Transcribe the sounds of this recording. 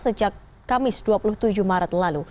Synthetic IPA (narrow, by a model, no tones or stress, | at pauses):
səd͡ʒak̚ː | amɪsduapulʊht̪ud͡ʒuhmaɾat̪̚lalu